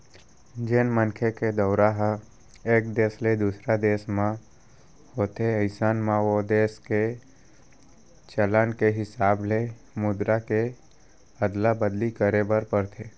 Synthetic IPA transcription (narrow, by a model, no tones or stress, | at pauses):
d͡ʒenmənkʰeked̪əʊɾaɦ | eːkd̪eːsled̪uːsɾad̪eːsmã | ɦoːt̪eəɪsaːnmãʋod̪eːske | t͡ʃəlankeɦɪsaːble | mʊd̪ɾake | əd̪labəd̪likəɾebəɾpəɾt̪ʰeː